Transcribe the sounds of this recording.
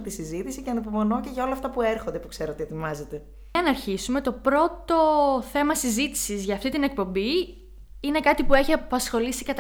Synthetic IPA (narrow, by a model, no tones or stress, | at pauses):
t̪isizit̪isiceɐnopomo̞no̞ceʝɐo̞lɐːft̪ɐpueɾxo̞nd̪epukse̞ɾoot̪ie̞t̪imɐzet̪e̞ | ɐnɐɾçisume̞t̪o̞pɾo̞t̪o̞θe̞mɐsizit̪i̥sizʝɐːft̪it̪ine̞k̚po̞mbi | ine̞kɐt̪ipue̞çiɐpɐsxo̞lisikɐt̪